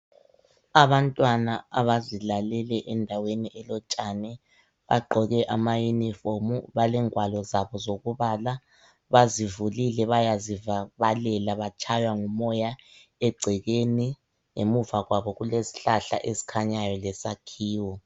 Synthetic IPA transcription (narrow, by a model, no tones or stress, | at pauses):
aβantʼwanaaβazilalɛlɛʔɛndʱaweniʔɛlɔt͡ʃʼanɛ | βa̰ɡ͡ǃʱɔɣɛʔamajunifomuβalɛŋwalɔzaβɔzoɣuβala | βazivulilɛβajazivaβalɛlaβat͡ʃʰʼajwaŋumɔja | ɛɡ͡ǀʱɛɣeni | ŋemuvaɣwaβɔɣulesi̥ɬaɬa̰ʔesi̥kʰaɲajɔlɛsakʰiːwɔ